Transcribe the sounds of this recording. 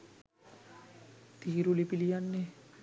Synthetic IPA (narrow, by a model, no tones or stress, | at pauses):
t̪iɦiɾulipilijanːe